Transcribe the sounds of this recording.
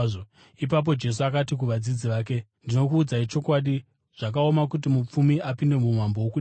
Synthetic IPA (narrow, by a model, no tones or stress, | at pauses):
ip̬ap̬o̞d͡ʒe̞s̬uakatik̬uʋad͡zid͡ziʋaːk̬e̞ndino̞kuːd͡zait͡ʃo̞kwaɗi | ʐ̥ak̬ao̞makut̬imup͡fumiapinde̞mumwambo̞wokuɗ